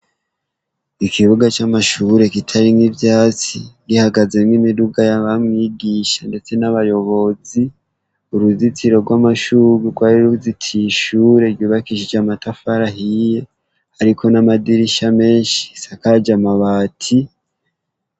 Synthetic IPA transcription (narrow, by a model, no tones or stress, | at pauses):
ikiβuɡat͡ʃamaʃuɾe̞kitʰaɾimŋivjaːt͡siɡihaɡaze̞mŋimiduɡajaβamŋiːɡiʃande̞t͡se̞naβajo̞βo̞zi | uɾuzitiɾo̞ɾɡwamaʃuβuɡwaɾiɾuzitʰiʃuɾe̞ɾjuːβakiʃid͡ʒamatafaɾahije̞ | aɾikʰo̞namadiɾiʃame̞ːnʃi̥sakad͡ʒamaβaːtʰi